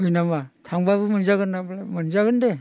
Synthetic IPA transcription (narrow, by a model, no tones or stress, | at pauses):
ɯjnamatʰaŋbaβɯmɯnzaɡɯnablmɯnzaɡɯnde